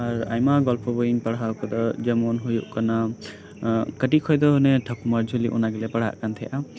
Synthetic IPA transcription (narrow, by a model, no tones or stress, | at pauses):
aɾajmaɡɔlpʰɔbɔjiŋpaɽakɔd̪ɔd͡ʒɛmɔnɦujuʔkana | kəʈikʰɔjd̪ɔɦnɛʈʰəkʰumaɾd͡ʒʱulḭʔṵnaɡɛlɛpaɽ̤a̰ʔkant̪ʰɛjʔa